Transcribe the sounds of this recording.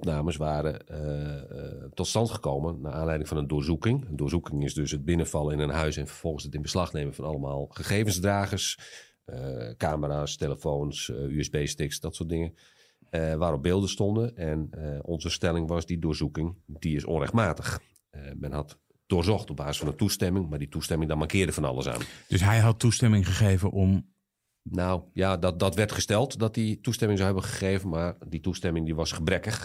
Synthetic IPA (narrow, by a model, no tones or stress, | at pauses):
ɔpnaːməsʋaːɾə | tɔtstɑntχə̥koːmənnaʔaːnlɛjdɪŋfɑnəndʊːrzukɪŋəndʊːrzukɪŋɪsdøsəd̚bɪnəfɑlˠəɪnənɦœɥsɛnfərfɔlˠənsətɪnbəslɑxneːməfɔnɑlˠəmaːlˠχəxeːvənzdraːɣəs | kaːməɾaːsteləfoːnsyɛzbeːstɪksdɔtsʊːt̚dɪŋə | ʋaːɾɔb̚beːlˠdəstɔndənɛnəɔ̰nzəstɛlˠɪŋʋɔsdidʊːrzukɪŋdiɪsɔ̰nrɛxtmaːtəχ | mɛnɦɑt | d̥ʊːrzɔχtɔb̚baːzəsfɑnəntustɛmɪŋmarditustɛmɪŋdɔmarkɪːrdəfɔnɑ̰lˠə̰sa̰ːnd̥øsɦɛjɦɑtːustɛmɪŋχəχeːvəʔɔm | nawjadɔdɔtʋɛrtχəstɛlˠtdɔt̚ditustɛmɪŋsawɦɛbəχəχeːvənmarditustɛmɪŋdiʋɔsχəbrɛkəx